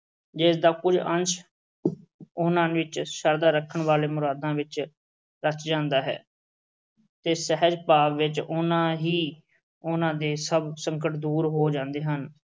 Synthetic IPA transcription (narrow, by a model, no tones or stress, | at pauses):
d͡ʒɪsd̪aːkʊd͡ʒənt͡ʃʰ | ʊnãːʋɪt͡ʃʃəɾd̪aːɾəkʰːəɳʋaːleːmʊɾaːd̪ãːʋɪt͡ʃ | ɾət͡ʃʰd͡ʒãːnd̪aːɦɛ̰ː | t̪eːsɛɦəd͡ʒpaːʋʋɪt͡ʃʊnãːɦiː | ʊnãːd̪eːsəbsəŋkəʈd̪uːɾɦoːd͡ʒãːnd̪eːɦən